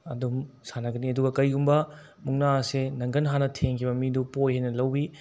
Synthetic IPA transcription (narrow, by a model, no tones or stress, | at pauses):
ɐ̰dumsanɐɡɐniɐduɡɐkɐjɡumbɐ | muŋnasenɐŋɡɐnɦanɐtʰeŋkʰibɐmidupojhajnɐlɐwbi